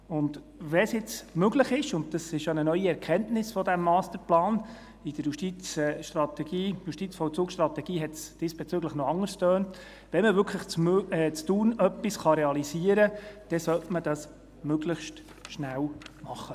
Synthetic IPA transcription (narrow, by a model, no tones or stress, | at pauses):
ʊnd | ʋɛsjɪt͡smøɡləχɪʃʊnt̚d̥ɑsɪʃjɑnənœʏiɛɾkʰɛntnɪsfɔdæmːɑːstəɾplɑːn | ɪd̥əɾjuʃtit͡sʃtrɑt̪ɛɡ̥iːjuʃtit͡sfɔwt͡suːkʃtɾɑt̪ɛɡ̥iːɦɛtsd̥ɪsb̥ɛt͡sʏɡləχnɔɑŋəstøːnt | ʋɛnməvʏɾkʰləχt͡sɛt͡stuːnœpːisχɑɾɛɑlisiəɾəd̥ɛsœtməd̥ɑs | møɡləχʃt | ʃnæwmɑχːə